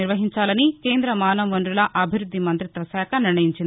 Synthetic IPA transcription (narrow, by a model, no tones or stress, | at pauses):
iɾʋɐɦiɲt͡ʃaːlɐnikeːnd̪ɾɐmaːnɐmʋɐnɖɾulɐʔɐbʱiɾud̪ːimɐnt̪ɾit̪ʋɐsaːkʰɐniɾɳɐjiɲt͡ʃind̪i